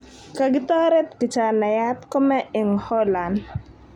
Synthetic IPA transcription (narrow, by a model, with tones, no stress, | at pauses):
ka˨ɡɪ˦t̪ɔ˦ɾɛ˦t̪kɪ˨t͡ʃa˨na˨ja˦t̪ko˦mɛ˦ɪ˨ŋhɔ˦la˨nd